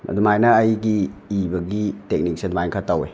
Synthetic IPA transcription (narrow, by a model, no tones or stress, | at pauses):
a̰dumajnɐːjɡiːbɐɡitek̚nik̚senmajnkʰatawḛ